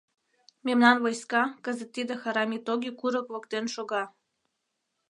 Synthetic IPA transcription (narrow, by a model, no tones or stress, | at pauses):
memnɑnvojskɑkə̆zə̆t̪ːid̪ə̆xɑɾɑmʲit̪oɡʲikuɾə̆kvŏkt̪enʃoɣɑ